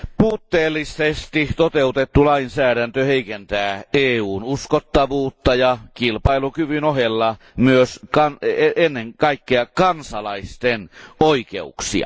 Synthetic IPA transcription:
puːt̪ːeːlːisest̪it̪ot̪eut̪et̪ːulɑinsæːɾænt̪øheikent̪æːeːuːnuskot̪ːɑʋuːt̪ːɑjɑkilpɑilukyʋynoɦelːɑ | myøskɑneenːeŋkɑikːeɑkɑnsɑlɑist̪enoikḛuksḭɑ̰

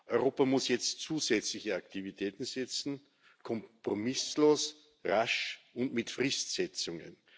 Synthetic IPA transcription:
ʔɔʏʁoːpamʊsjɛt͡stt͡suːzɛt͡slɪçəaktʰivitʰɛːtn̩sɛt͡sn̩ | kʰɔmpʁomɪsloːs | ʁaʃʊndmɪtfʁɪstsɛt͡sʊŋə̰n

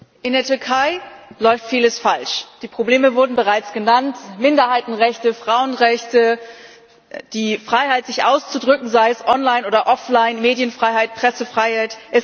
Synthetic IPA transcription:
ʔɪndeːɐtʏɐkʰaɪlɔʏftfiːləsfalʃd̥iːpʁ̥obleːməvʊɐdn̩bəʁaɪt͡sɡ̥ənantmɪndɐhaɪtn̩ʁɛçtəfʁ̥aʊənʁɛçtə | d̥iːfʁ̥aɪhaɪtz̥ɪçʔaʊst͡sudʁʏkŋ̩zaɪəsʔɔnlaɪnʔoːdɐʔɔflaɪnmeːdjənfʁ̥aɪhaɪt̚pʁ̥ɛsəfʁ̥aɪhaɪtʔɪs

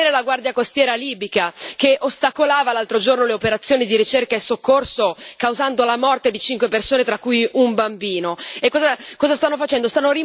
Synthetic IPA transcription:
eːɾelaɡward̪jakost̪jɛːɾaliːbikak̟eʔost̪akolaːvalalt̪ɾod͡ʒornoleopeɾat̪sːjoːnid̪iɾit͡ʃerkaesːokːorsokawzand̪olamɔrt̪ed̪it͡ʃiŋkwepersoːnet̪ɾakːujumbambiːnoekːɔːzakɔːzast̪anːofat͡ʃɛnd̪ost̪anːori

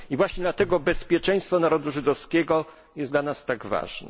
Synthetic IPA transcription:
ivwaɕɲɛd̪lat̪ɛɡɔbɛspʲjɛt͡ʂɛ̃j̃st̪fɔnaɾɔd̪uʐɘd̪ɔfskʲɛɡɔ | jɛsd̪lanast̪aɡva̰ʐnɛ̰

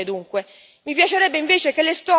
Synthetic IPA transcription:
ed̪uŋkwe | mipjat͡ʃeɾɛbːeiɱveːt͡ʃekelːest̪ɔ

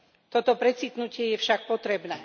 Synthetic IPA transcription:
t̪ɔt̪ɔpɾɛt͡sit̪nucɪɛjɛfʃak̚pɔt̪ɾɛbnɛː

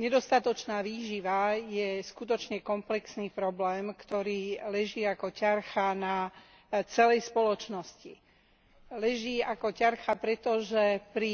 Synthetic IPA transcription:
ɲɛd̪ɔst̪at̪ɔt͡ʃnaːʋiːʒiʋajɛskut̪ɔt͡ʃɲɛkɔmplɛksniːpɾɔblɛːmkt̪ɔɾiːlɛʒiːakɔcaɾxana | t͡sɛlɛjspɔlɔt͡ʃnɔsci | lɛʒiːakɔcaɾxapɾɛt̪ɔʒɛpɾi

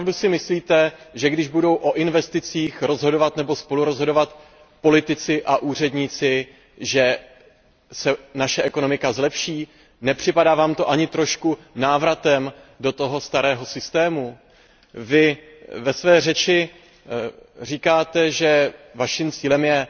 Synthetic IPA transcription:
pavdusɪmɪsliːt̪ɛʒɛɡdɪʒbudo̞wʔo̞ʔɪnvɛst̪ɪt͡siːxɾo̞zɦo̞dovat̪nɛbo̞spo̞luɾo̞zɦo̞do̞vat̪ | po̞lɪt̪ɪt͡sɪʔaʔuːr̝ɛdɲɪt͡sɪ | ʒɛ | sɛnaʃɛʔɛko̞no̞mɪkazlɛpʃiː | nɛpr̥ɪpadaːvaːmt̪o̞ʔaɲɪt̪ɾo̞ʃkunaːvɾat̪ɛmdo̞t̪o̞ɦo̞st̪aɾɛːɦo̞sɪst̪ɛːmu | vɪ | vɛsvɛːrɛt͡ʃɪ | r̝iːkaːt̪ɛʒɛvaʃimt͡siːlɛmjɛ

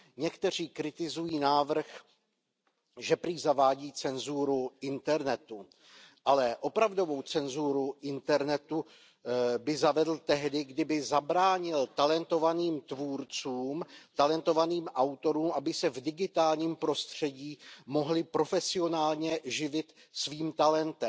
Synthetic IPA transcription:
ɲɛkt̪ɛr̝iːkɾɪt̪ɪzujiːnaːvr̩x | ʒɛpɾiːzavaːɟiːt͡sɛnzuːɾuɪnt̪ɛɾnɛt̪u | ʔalɛʔo̞pɾavdo̞vo̞wt͡sɛnzuːɾuʔɪnt̪ɛɾnɛt̪u | bɪzavɛdl̩t̪ɛɦdɪɡdɪbɪzabɾaːɲɪlt̪alɛnt̪o̞vaniːmt̪vuːɾt͡suːmt̪alɛnt̪o̞vaniːmʔawt̪o̞ɾuːmʔabɪsɛvdɪɡɪt̪aːlɲiːmpɾo̞st̪r̝̥ɛɟiːmo̞ɦlɪpɾo̞fɛsɪo̞naːlɲɛʒɪvɪt̪ | sviːmt̪alɛnt̪ɛmm

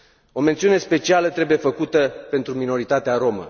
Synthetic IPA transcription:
o̞me̞nt̪siune̞spe̞t͡ʃialət̪ɾe̞buje̞fəkut̪əpe̞nt̪ɾumino̞ɾit̪at̪eaɾo̞mə̰

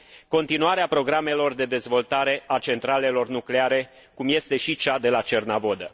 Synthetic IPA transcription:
ko̞nt̪inuaɾeapɾo̞ɡɾame̞lo̞rd̪e̞d̪e̞zvo̞lt̪aɾe̞ʔat͡ʃe̞nt̪ɾale̞lo̞rnukle̞aɾe̞ | kumje̞st̪e̞ʃit͡ʃad̪e̞lat͡ʃe̞rnavo̞d̪ə

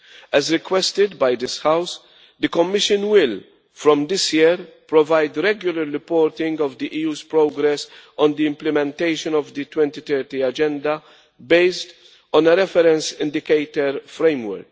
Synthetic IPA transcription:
ɛzɾɪkwɛst̪ɪd̪bɐjd̪ɪshaws | d̪əkɔmːɪʃə̃nwɪl | fɾɔ̃md̪ɪsjiɾpɾɔvajd̪ɾɛɡjʊlɐɾːɪpɔːɾt̪ɪ̃ŋɡɔvd̪iʔiːjuːzpɾoːɡɾɛsɔ̃nd̪iɪ̃mplɪmɛ̃nt̪eɪʃɔ̃nɔvd̪it̪wɛ̃nt̪it̪ɛːɾt̪iɐd͡ʒɛ̃nd̪ɐ | beɪst̪ | ɔ̃nəɾɛfɛɾɛ̃nsɪ̃nd̪ɪkeɪt̪əɾfɾẽɪmwɛ̰ɾk̚

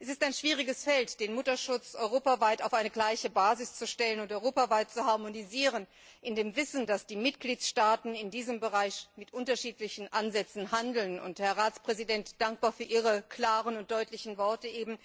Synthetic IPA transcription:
ʔɛsɪstaɪnʃv̥iːʁɪɡəsfɛltd̥eːnmʊtɐʃʊt͡sʔɔʏʁoːpavaɪtaʊfʔaɪnəɡlaɪçəbaːzɪst͡suʃtɛlənʊntɔʏʁoːpavaɪt̚t͡suhaɐmoniziːʁ̞ən | ʔɪndeːmvɪsn̩dasd̥iːmɪtɡ̥liːtʃtaːtn̩ɪndiːzəmbəʁaɪçmɪtʔʊntɐʃiːtlɪçn̩ʔanzɛt͡sn̩handl̩nʊ̰nthɛɐʁaːt͡spʁ̥ɛzidɛntd̥aŋk̚b̥aːɐfyːɐʔiːʁəkl̥aːʁənʊnt̚d̥ɔʏtlɪçn̩vɔɐtəʔeːbm̩

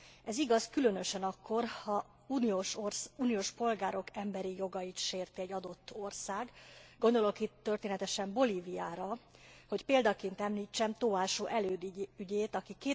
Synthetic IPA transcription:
ɛziɡɒskylø̞n̪øʃɛnɒkːo̞rhɒ | uoʃrsuːnijoːʃpo̞lɡaːɾo̞kɛmbɛɾijo̞ɡɒjit̪ʃeːrt̪iɛɟɒd̪o̞t̪ːo̞rsaːɡɡo̞nd̪o̞lo̞kit̪ːørt̪eːnɛt̪ɛʃɛmbo̞liːvijaːɾɒho̞cpeːld̪ɒkeːnt̪ɛmliːt͡ʃːɛmt̪oaːʃoːʔɛløːd̪yɟeːt̪ɒkikeː

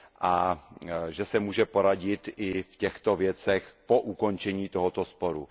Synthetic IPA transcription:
ʔa | ʒɛsɛmuːʒɛpo̞ɾaɟɪt̪ɪfcɛxt̪ovjɛt͡sɛxpoʔuko̞nt͡ʃɛɲiːt̪oɦot̪ospo̞ɾu

